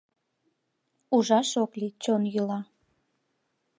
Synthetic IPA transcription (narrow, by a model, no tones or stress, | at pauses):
uʒɑʃoklit͡ɕonjylɑ